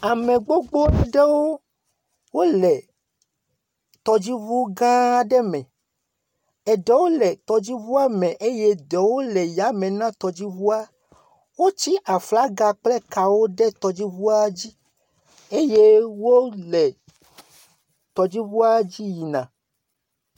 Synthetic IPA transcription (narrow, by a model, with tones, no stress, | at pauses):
a˨mɛ̃˨ɡ͡bo˦ɡ͡bo˦a˦ɖɛ˦wo˦ | wo˦lɛ˨ | t̪ɔ˨d͡ʑi˦vu˦ɡã˦ɖɛ˦mɛ̃˨ | ɛ˨ɖɛ˦wo˦lɛ˨t̪ɔ˨d͡ʑi˦vu˦a˦mɛ̃˨ʔe˦jɛ˦d̪ɛ˨wo˦lɛ˨ja˨˦mɛ̃˨nã˦t̪ɔ˨d͡ʑi˦vu˦a˦ | wo˦t͡ɕi˦ʔa˨fla˦ɡa˨k͡plɛ˦ka˨wo˦ɖɛ˦t̪ɔ˨d͡ʑi˦vu˦a˦d͡ʑi˦ | e˦je˦wo˦lɛ˨ | t̪ɔ˨d͡ʑi˦vu˦a˦d͡ʑi˦ji˨nã̰˨